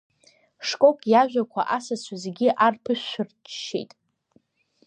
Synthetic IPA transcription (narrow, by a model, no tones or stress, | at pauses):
ʂkʼo̞kʼjaʒᶣʷakʷʰa̰ʔasat͡ɕʷʰazɡʲiʔarpʰɨʃʃɨrt͡ʃʰʃḛjtʼ